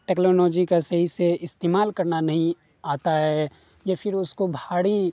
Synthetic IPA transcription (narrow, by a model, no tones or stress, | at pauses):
ʈɛːknoːlɔːd͡ʒikasɐɦiseɪst̪eːmaːlkɐɾnanɐɦĩ | aːt̪aɦɛ | jafʰɪɾʊskobʱaːɽi